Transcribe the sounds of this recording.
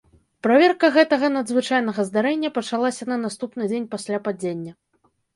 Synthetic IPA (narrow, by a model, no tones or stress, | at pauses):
pɾavʲɛrkɐɣɛt̪ɐɣɐnɐd̪zvɨt͡ʂajnɐɣɐzd̪aɾɛnʲːɐpɐt͡ʂalˠasʲɐnɐnast̪upnɨd͡zʲenʲpasʲlʲapad͡zʲenʲːɐ